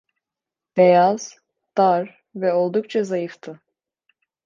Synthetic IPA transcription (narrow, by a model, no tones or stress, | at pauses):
b̥ɛjaz̥ | d̪̥aɾ | vɛo̞lˠd̪uk̚t͡ʃʰazajɯft̪ʰɯ